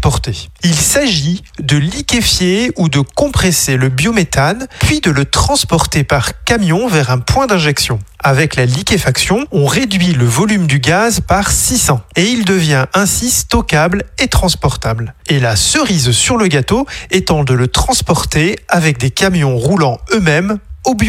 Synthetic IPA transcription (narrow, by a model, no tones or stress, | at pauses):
pɔʁt̪eilsaʒi | d̪əlikʲefjeud̪əkɔ̃pχeseləbjomet̪anpɥid̪ələt̪χɑ̃spɔʁt̪epaʁkamjɔ̃vɛʁɛ̃pwɛ̃d̪ɛ̃ʒɛksjɔ̃avɛklalikʲefaksjɔ̃ɔ̃ʁed̪ɥiləvɔlymd̪yɡazpaʁsisɑ̃eild̪əvjɛ̃ʔɛ̃sist̪ɔkablet̪χɑ̃spɔʁt̪ablelasəʁizsyʁləɡat̪oet̪ɑ̃d̪ələt̪χɑ̃spɔʁt̪eavɛk̚d̪ekamjɔ̃ʁulɑ̃ømɛmobjo